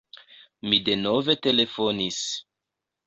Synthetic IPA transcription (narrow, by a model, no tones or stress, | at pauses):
mide̞no̞ve̞te̞le̞fo̞nis